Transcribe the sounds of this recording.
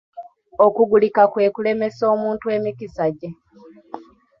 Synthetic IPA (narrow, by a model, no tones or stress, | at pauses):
okuɡulikakwe̞ːkule̞me̞so̞ːmuːntwe̞ːmikisaɟe̞